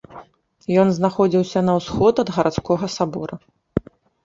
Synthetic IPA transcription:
jɔnznaxɔd͡zʲiwsʲɐnɐwsxɔt̪ɐd̪ɣɐɾʔat̪skɔɣɐsabɔ̰ɾɐ

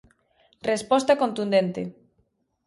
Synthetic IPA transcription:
respɔst̪akont̪und̪ent̪ḛ

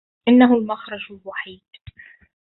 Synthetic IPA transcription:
ʔɪnːaɦʊlmaxɾˤɑd͡ʒɪlwaħiːd̪

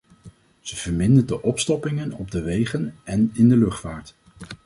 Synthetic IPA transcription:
z̥əv̥əɹmɪndədəʔɔpstɔpɪŋənɔb̚dəʋejχənɛnɪndəlɵχtfaːɹt

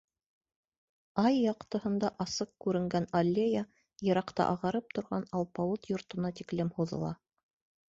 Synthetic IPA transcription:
ɑjːɑqt̪ɤ̆hɤ̆nd̪ɑʔɑsɤq̚kʉɾɘ̆ŋɡænɐlʲːejə | jɤ̆ɾɑqt̪ɑ̰ʔɑʁɑɾɤp̚t̪ŏɾʁɑ̰nɑlˠpɑwut̪jŏɾt̪ɤ̆nɑt̪iklɘmhuðɤ̰̆lˠɑ

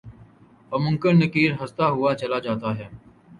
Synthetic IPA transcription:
pəmʊ̃ŋkəɳnəkiːɾɦəst̪aːɦʊaːt͡ʃəlaːd͡ʒaːt̪aːɦɛː

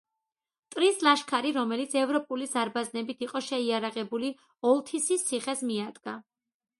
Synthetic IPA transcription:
t̪ʼɾislaʃkʰaɾiɾɔmɛlit̪sʰɛvɾɔpʼulizaɾbaznɛbit̪ʰiqʼɔʃɛiaɾaʁɛbuli | ɔlˠt̪ʰisissʰːiχɛsmiad̪ɡ̥a

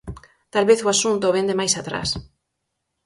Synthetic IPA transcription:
t̪alβeθoasunt̪oβend̪emajsat̪ɾa̰s

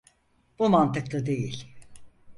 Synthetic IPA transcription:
b̥umant̪ɯkt̪ɯd̪e̞jilʲ

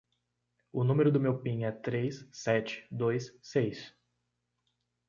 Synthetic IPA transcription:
ʊnũmeɾʊd̪ʊmewpĩŋɛt̪ɾejssɛt͡ʃɪ̥d̪ojssejs

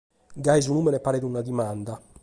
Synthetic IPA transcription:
ɡaizunumɛnɛpaɾɛd̪unad̪imand̪a

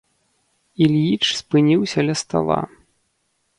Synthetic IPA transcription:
ilʲjit͡ʂspɨnʲiwsʲɐlʲɐst̪a̰lˠa̰

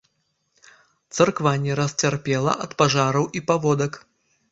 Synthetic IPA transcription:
t̪sɐrkvanʲːɛɾɐsʲt͡sʲarpʲɛlˠɐ̰ʔɐt̪paʐaɾɐwʔipavɔd̪ɐk

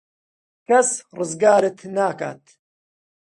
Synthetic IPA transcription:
kɐsrɨzɡaːɾɨt̪naːka̰ːt̪

